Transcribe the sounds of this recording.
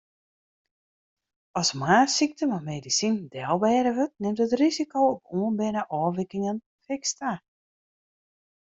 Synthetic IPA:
ɔsmaːsik̚təmamedisindɛlˠbɛːɾəʋøt̚nɪmtətrizikowɔpuənbɪnəʔɔːʋɪkɪŋən | fɪksta

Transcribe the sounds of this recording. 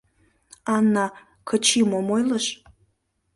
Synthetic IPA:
ɑnːɑ | kʰət͡ɕimomojləʃ

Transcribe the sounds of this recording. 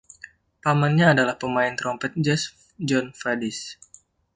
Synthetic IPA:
pamanɲaːdalahpəmaɪnt̪ɾɔmpɛt̪̚d͡ʒɛs | d͡ʒɔnfadis

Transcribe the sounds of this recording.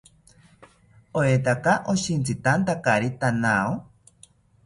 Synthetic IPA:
oet̪akaʔoʃint͡sɨt̪ant̪akaɾit̪anao

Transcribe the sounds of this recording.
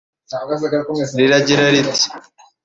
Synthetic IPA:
kɾiɾaɟiɾaɾit̪i̥

